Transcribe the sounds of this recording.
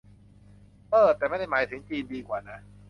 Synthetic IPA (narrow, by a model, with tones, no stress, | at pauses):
pɤː˨˧˩t̪ːɛː˨˩ma˥˩da˥˩jmaː˨˦jt̪ʰɯ˩˦ŋt͡ɕiː˧ndiː˧kwaː˨˩na˦˥